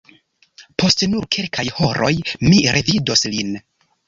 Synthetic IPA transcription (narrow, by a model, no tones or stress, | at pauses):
pʰo̞stnuɾkʰe̞lkʰajhoɾo̞jmiɾʔe̞vido̞slin